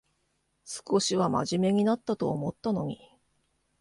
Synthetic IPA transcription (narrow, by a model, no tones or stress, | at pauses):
sɨ̥ko̞ɕiβama̰ʑime̞ɲ̟inat̪ːat̪o̞ːmo̞t̪ːano̞ɲ̟ʲi